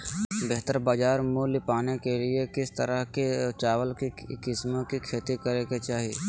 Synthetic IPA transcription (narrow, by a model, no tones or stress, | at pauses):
beɦt̪əɾbaːd͡ʒaːɾmuːlɪpaːnekelɪekɪst̪əɾəɦket͡ʃaːʋəlkikɪsmõkikʰeːt̪ikəɾeket͡ʃaːɦi